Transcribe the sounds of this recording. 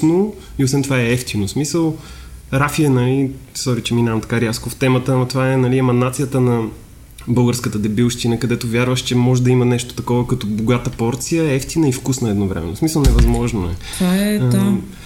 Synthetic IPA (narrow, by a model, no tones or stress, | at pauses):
no | iosvɛnt̪ovaɛɛft̪inosmisəlˠ | ɾafiɛnɐlisɔɾit͡ʃɛminavɐmt̪ɐ̥kaɾiaskoft̪ɛmət̪ət̪ovaɛnɐliɛmɐnːat̪sijət̪ənɐ | bɤlˠɡəɾskət̪əd̪ɛbilˠʃt̪inəkɐd̪ɛt̪ovʲjaɾvəʃt͡ʃɛmɔʒɛd̪ɐimənɛʃt̪o̥t̪ɐkɔvəkɐt̪ɔboɡat̪əpɔɾt̪sijəɛɛft̪inəifkusnəɛd̪novɾɛ̰mɛ̰nːosmisəlˠnɛvɐzmɔʒnoɛ̰